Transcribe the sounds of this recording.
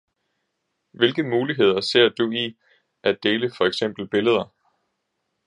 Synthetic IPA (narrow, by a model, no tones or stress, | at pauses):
ʋe̝lɡ̥əmuːliɦe̝ð̞̰ˠɐse̝ɐ̰d̥ui | ʔæd̥e̝ːləfɒ̽eɡ̥sem̰b̥l̩b̥e̝ləð̞ˠɐ